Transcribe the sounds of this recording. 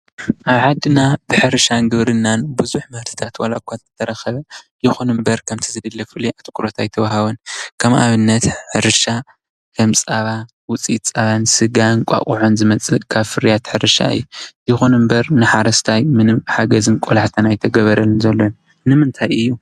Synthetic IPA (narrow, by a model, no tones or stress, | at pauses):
ʔaβħad̪ːɨnab̥ɨħɨɾɨʃanɡɨβɾɨnːanbɨzuħmɐhɾt̪ʰɨ̥t̪ʰat̪wɐ̰lakʷʰːat̪ɨt̪ʰɐɾɐxɐβɐjɪxunɨmbɐɾkʰɐmt̪ʰizɨd̪ɨlːɐfɨliʔat̪kʰuɾot̪ʰajt̪ʰɐβahaβɐnkʰɐmʔa̰βɨnːɐt̪ħɨɾɨʃa | kʰɐmt͡sʼaβa | wʊt͡sʼit̪t͡sʼaβansɨɡankʷʼa̰kʼuʕonzɨmɐt͡sʼɨkʰaβfɨɾijat̪ħɨɾɨʃa̰ɨ̰jːujɪxunɨmbɐɾnɨħaɾɐst̪ʰajmɨnɨmħaɡɐzɨnkʷʼolaħt̪ʰɐnajt̪ʰɐɡɐβɐɾɐlɨnzɐlːon | nɨmɨnt̪ʰajʔɨjːu